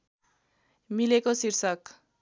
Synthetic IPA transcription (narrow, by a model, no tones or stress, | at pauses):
milekosirsʌk